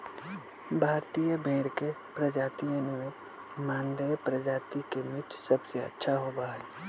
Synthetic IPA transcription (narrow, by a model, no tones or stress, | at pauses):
bʱaːɾt̪ijəbʱeːɽkepɾəd͡ʒaːt̪ijə̃nmẽ | mãːnd̪epɾəd͡ʒaːt̪ikemɪt̪ʰsəbseɐ̰tːʃʰaɦoːbaɦɛː